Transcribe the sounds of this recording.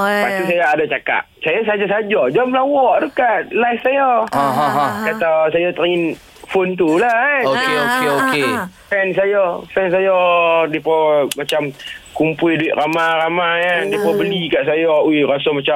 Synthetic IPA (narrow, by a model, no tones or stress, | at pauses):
pat̪us̬ajaːdat͡ʃaka̰ʔsajas̬aad͡ʒasad͡ʒɔd͡ʒamlawɔʔt̪ukaʔlafsajɔɔɦɦkat̪asajɔt̪əɾaŋɪn | font̪ulaokeokeokefɛns̬ajɔfɛns̬ajɔdipɔmat͡ʃamkumpʊlduɪʔ̪̚ɾamaramajadipɔbəlikaʔsajɔuɾasɔmat͡ʃam